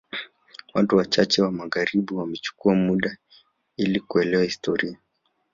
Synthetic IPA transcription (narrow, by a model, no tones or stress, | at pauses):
watuwat͡ʃat͡ʃɛwamaɣaɾiɓuwamɛt͡ʃu̥kuamuɗa | ilikuɛlɛwahistɔɾia